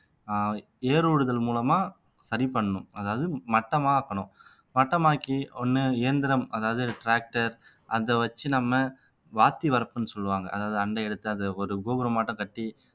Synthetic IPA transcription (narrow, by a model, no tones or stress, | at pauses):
eːɾuːɽɯðɐlmuːlɐmaː | sɐɾipɐɳːɐɳʊ̃mɐðaːʋɐðɯmɐʈːɐmaːaːkːɐɳʊ̃ | mɐʈːɐmaːkiɔnːɯɪjɐnd̪ɪɾɐmɐðaːʋɐðɯʈɾaːk̚ʈɐɾʔɐðɐʋɐt͡ʃːɯnɐmːɐ | ʋaːt̪ːiʋɐɾɐpːɯnːɯsɔlːɯʋaːŋɡɐ̰ʔɐðaːʋɐðɯɐɳɖɐɛɽɯt̪ːɯɐðɐɔɾɯɡoːbɐɾɐmaːʈːɐ̃kɐʈːi